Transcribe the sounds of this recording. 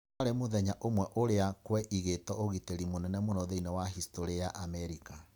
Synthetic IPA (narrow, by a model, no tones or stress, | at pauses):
ɾemoðɛɲaʔomwɛʔoɾeakwɛʔiɣetɔoɣiteɾimonɛnɛmonɔðeinɛwaɦistoɾejaʔamɛɾika